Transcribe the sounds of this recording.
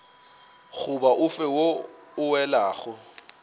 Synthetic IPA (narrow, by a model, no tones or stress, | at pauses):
ɣʊbaʔʊfɛwo | ʊwɛlaːɣʊ